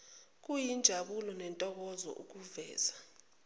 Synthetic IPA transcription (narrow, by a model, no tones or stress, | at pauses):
k̬ʼujind͡ʒʱaɓulɔnɛntʼɔk̬ɔzɔ̰ʔṵk̬uvɛ̰ːz̥a